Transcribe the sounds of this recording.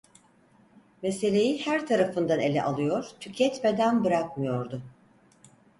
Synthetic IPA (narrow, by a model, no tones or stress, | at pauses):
mese̞lʲe̞jihæɾt̪ʰaɾafɯnd̪ane̞lʲɛʔalˠɯjo̞ɾ̥t̪ʰycʰɛt̪me̞d̪ænbɯɾakmɯjo̞ɾd̪ʊ